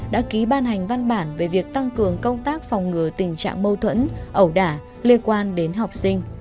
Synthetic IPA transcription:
ɗa̰ː˧˥ki˨˦ɓaː˧nɦa˨˩jŋ̟va˧nɓaː˧˩nve˨˩vi˨˩ək̚t̪a˧ŋkɨ˨˩əŋkə˧wŋ͡mt̪aː˦˥k̚fɔ˨˩wŋ͡mŋɨ˨˩ət̪ï˨˩ŋ̟t͡ɕa̰ː˧˨ŋmə˧wt̪ʰwə̰˧˥nʔə˧˩wɗaː˧˩ | li˧ənkwaː˧nɗe˨˦nɦa˨˩wk͡p̚si˧ŋ̟

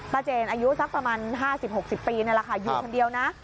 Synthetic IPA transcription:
baː˧t͡ɕeː˧˩nʔaː˧ju˦˥sa˦˥k̚pɾa˧maː˧nɦaː˥˩si˨˩p̚ho˨˩k̚si˨˩pːiː˧na˧˩jla˧kʰa˧˩ju˨˩˧kʰo˧ndi˧əwna˦˥ʔ

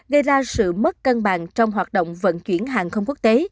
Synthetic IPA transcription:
ɣə˧jzaː˧sɨ̰˧˨mə˦˥t̚kə˧nɓa̰˧˨ŋt͡ɕɔ˧wŋ͡mɦwaː˨˩t̚ɗo̰˧˨wŋ͡mvə̰˧˨˥nt͡ɕwi˧˩ənɦaː˧˨˩nxə˧wŋ͡mku˦˥ək̚t̪e˨˦

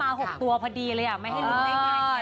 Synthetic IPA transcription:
aː˧ɦo˨˩k̚t̪u˧ɐpʰa˧diː˧lɤː˧jʔa˨˩ma˥˩ja˥˩˧

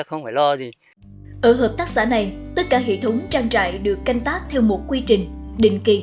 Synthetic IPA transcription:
xə˧wŋ͡mfaː˧˩jlɔ˧zi˨˩ | ʔəː˧˩ɦəː˨˩p̚t̪aː˦˥k̚saː˧˩na˨˩jt̪ə˦˥t̚kaː˧˩ɦḛ˧˨t̪ʰə˨˦wŋ͡mt͡ɕaː˧ŋt͡ɕa̰ː˧˨jɗɨ˨˩əkːa˧jŋ̟t̪aː˦˥k̚t̪ʰɛ˧wmo˨˩t̚kwi˧t͡ɕï˨˩ŋ̟ɗï˧˨ŋ̟ki˨˧˩

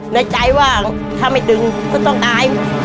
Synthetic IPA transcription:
naː˧˩t͡ɕa˧˥jwaː˧˩ | t̪ʰaː˧˩ma˧˩jdɯ˧ŋkɔː˧˩t̪ɔ˥˩ŋt̪aː˧j

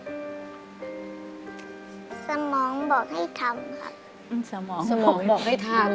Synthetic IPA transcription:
sa˧mɔː˩˦ŋbɔː˨˩k̚ha˥˩jt̪ʰa˧mkʰa̰˦˥p̚ | sa˧mɔː˨˦˥ŋsa˧mɔː˨˦˥bɔː˨˩k̚ha˥˩t̪ʰa˧m

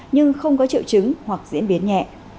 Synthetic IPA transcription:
ɲɨ˧ŋxə˧wŋ͡mkɔ˨˦t͡ɕḭ˧˨əwt͡ɕɨ˨˦ŋhwa˨˩k̚zḭ˧˥nɓi˨˦ənɲɛ̰˧˨ʔ

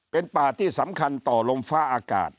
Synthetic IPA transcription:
pe˧npaː˨˩t̪ʰiː˥˩sa˩˦mkʰa˧nt̪ɔː˨˩lo˧mfaː˦˥˩ʔaː˧ka̰ː˨˩t̪̚

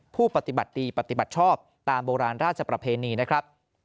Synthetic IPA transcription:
pʰuː˥˩pa˧˩t̪i˨˩ba̰˨˩t̪̚diː˧pa˨˩t̪i˨˩ba˨˩t̪̚t͡ɕʰɔː˥˩p̚t̪aː˧mboː˧ɾaː˧nɾaː˥˩t̪̚t͡ɕʰa˨˧pɾa˧pʰeː˧niː˧na˦˥kʰɾa˦˥p̚

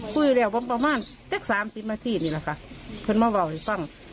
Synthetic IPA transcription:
kʰuː˧˩˨juː˧lɛː˧˩wbɔː˧˥˨npa˧maː˧˥˨nt͡ɕa˦˥˨k̚saː˨˦msi˨˦p̚naː˧t̪ʰiː˧˨niː˧˩la˧˩kʰa˧˩pʰɤ˧˨nmaː˧˥˨wa˧˩whfɔ˧˩˨ŋ

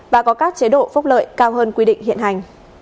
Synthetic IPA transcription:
vaː˨˩kɔ˨˦kaː˦˥k̚t͡ɕe˨˦ɗo̰˧˨fʊ˦˥k͡p̚lə̰ː˧˨jkaː˧wɦəː˧nkwi˧ɗḭ̈˧˨ŋ̟hḭ˧˨ənɦa˨˩jŋ̟

